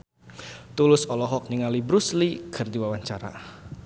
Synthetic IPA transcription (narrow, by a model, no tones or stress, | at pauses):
t̪ulʊsɔlɔɦɔk̚niŋalibɾuslikʰərd̪iwawaɲt͡ʃaɾa̰